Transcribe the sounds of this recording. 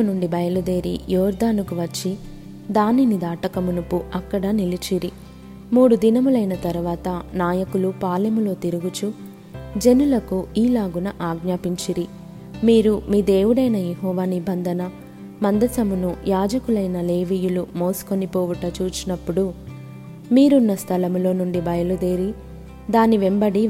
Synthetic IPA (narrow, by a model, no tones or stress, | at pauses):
ɐnuɳɖibɐjɐlud̪e̞ːɾḭjɔːɾd̪aːnukuʋɐt͡ʃːi | d̪aːninid̪aːʈɐkɐmunupuɐkːɐɽɐnilit͡ʃiɾi | muːɽud̪inɐmulɐjnɐt̪ɐɾuʋaːt̪ɐnaːjɐkulupaːlɐmulo̞ːt̪iɾuɡut͡ʃu | d͡ʒenulɐkuiːlaːɡunɐʔaːɡnaːpiɲt͡ʃiɾi | miːɾumiːd̪e̞ːʋuɽɐjnɐjeɦɔːʋaːnibɐnd̪ʱɐnɐ | mɐnd̪ɐsɐmunujaːd͡ʒɐkulɐjnɐle̞ːʋiːjulumo̞ːsu̥ko̞nipoːʋuʈɐt͡ʃuːt͡ʃinɐpːuɽu | miːɾunːɐst̪ʰɐlɐmulo̞ːnuɳɖibɐjɐlud̪eːɾi | d̪aːniʋembɐɽi